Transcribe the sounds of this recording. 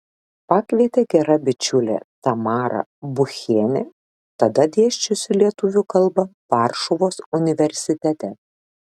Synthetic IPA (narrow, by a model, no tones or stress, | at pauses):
pɑːkʋʲiɛt̪ʲeːɡʲɛɾɐbʲɪt͡ʃʲʊlʲḛt̪ɐmɑːɾɐ̰bʊxʲeːnʲe | t̪ɐd̪ɐd̪ʲeɛʃʲt͡ʃʲʊsʲɪlʲiɛt̪ʊʋʲʊkɐlˠˑbɐʋɑːɾʃɔʋoːsʊnʲɪʋʲɛɾʲsʲɪt̪ʲɛt̪ʲɛ